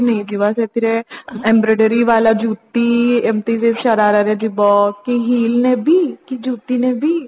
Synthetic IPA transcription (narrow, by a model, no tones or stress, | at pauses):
nɐĩd͡ʒiʋasepʰɪɾeɛ̃ːmbɾeːɖeɾiʋaːlad͡ʒuːt̪ːiɛmt̪iseʃaɾaːɾaɾed͡ʒibɔːkiɦiːlnebʱikid͡ʒuːt̪inebʱi